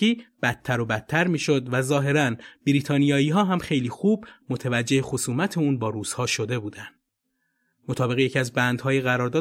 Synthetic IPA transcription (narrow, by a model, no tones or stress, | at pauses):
iːb̥æt̪̚ʰːæɾo̞bæt̪̚ʰt̪ʰːæɾmiːʃo̞d̪væzɒːɦe̞ɾænb̥iɾiːt̪ʰɒːnijɒːiːɦɒːɦæmxe̞jliːxuːbmo̞t̪ʰevæd͡ʒːe̞hexosuːmæt̪ʰeuːnbɒːɾuːz̥hɒːʃo̞d̪e̞buːd̪ænd̪̥ | mo̞t̪ʰɒːbe̞ɣejeciæzbænd̪hɒːjiɣæɾɒːɾd̪ɒː